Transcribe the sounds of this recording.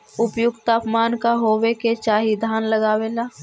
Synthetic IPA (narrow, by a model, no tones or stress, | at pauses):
ʊpjʊɡt̪aːpmaːnkaɦoːweket͡ʃaːɦid̪ʱaːnləɡaːwelaː